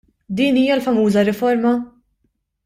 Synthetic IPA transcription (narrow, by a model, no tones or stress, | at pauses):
d̪iːniːjɐlfɐmuːzɐɾɪfɔɾmɐ